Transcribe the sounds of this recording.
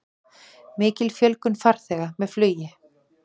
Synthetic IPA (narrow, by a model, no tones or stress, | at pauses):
mɪːcɪlfjœlkʏnfaɾ̥θɛːɣamɛðflœːɥjɪ